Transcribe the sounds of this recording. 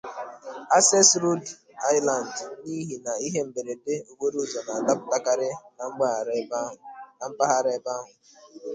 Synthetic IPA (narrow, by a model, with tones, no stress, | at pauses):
a˦se˦sɾu˦d | a˦ɪ˦la˨n˨dni˦ɦi˨na˨i˦ɦe˦m̩˨be˨ɾe˨de˦o˨ɡe˦ɾu˦˨zɔ˨na˨a˨da˦pʊ˦ta˦ka˦ɾɪ˦na˨ŋ͡m̩˦ɡ͡ba˦˨˦a˨m̩˦pa˦ɦa˦ɾe˦ba˦ɦʊ˨